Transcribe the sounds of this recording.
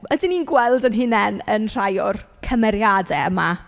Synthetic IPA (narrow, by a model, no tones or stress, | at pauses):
ədɪninɡwɛlˠdənɦɪnɛnənr̥ajʊrkʰəmɛɾjadɛəma